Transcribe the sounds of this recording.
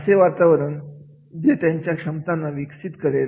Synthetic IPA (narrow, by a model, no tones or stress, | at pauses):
əseʋaɾt̪aʋəɾən | d͡ʑet̪jaɲt͡ɕjakʂəmt̪anːaʋiksit̪kəɾeɾ